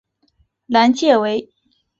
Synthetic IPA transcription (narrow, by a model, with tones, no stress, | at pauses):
la˧˥nt͡ɕjɛ˥˩we˧˥ɪ